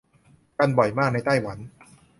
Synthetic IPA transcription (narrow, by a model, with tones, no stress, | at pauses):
ka˧nbɔ˨˩jmaː˥˩k̚na˧jt̪a˥˩jwa˩˦n